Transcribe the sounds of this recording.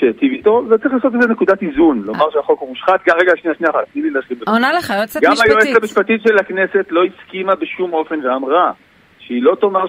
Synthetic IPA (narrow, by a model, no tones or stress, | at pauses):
ʃet̪ivit̪o̞zett͡sɐʁiχlaːso̞t̬ezene̞kudatizunlo̞maʁʃeaχo̞kumuʃχat̪̚ɡamʁeɡaːʃniaʃniaχatnililaʃlimbeonaleaɡamajoesamiʃpat̪itʃelakne̞se̞t̪lo̞iskimabeʃumo̞fe̞nveamʁa | ʃeilo̞t̪oma